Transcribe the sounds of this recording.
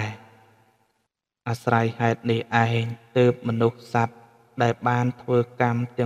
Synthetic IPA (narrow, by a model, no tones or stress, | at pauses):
ɛ | ʔasrajhaɛt̪̚nihʔaɛɲt̪əːp̚mɔnuhsat̪̚ | ɗaɛlɓaːnt̪ʰʋəːkamt̪ɛ̆ə